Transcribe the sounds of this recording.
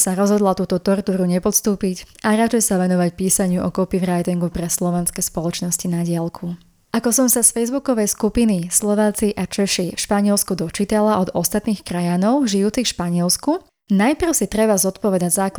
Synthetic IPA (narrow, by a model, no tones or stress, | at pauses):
saɾɔzɦɔd̪lat̪uːt̪ɔt̪ɔɾt̪uːɾuɲɛpɔt̪st̪uːpicʔaɾat͡ʃɛjsaʋɛnɔʋacpiːsaɲɪuʔɔkɔpivɾajt̪iŋɡupɾɛslɔʋɛnskɛspɔlɔt͡ʃnɔscinaɟɪalkʰu | ʔakɔsɔmsasfɛjzbukɔʋɛjskupinislɔʋaːt͡siʔat͡ʃɛʃifʃpaɲɪɛlskud̪ɔt͡ʃit̪alaʔɔd̪ɔst̪at̪niːxkɾajanɔʊʒijuːt͡sifʃpaɲɪɛlsku | najpr̩ʊsit̪ɾɛbazɔt̪pɔʋɛd̪aɟzaːk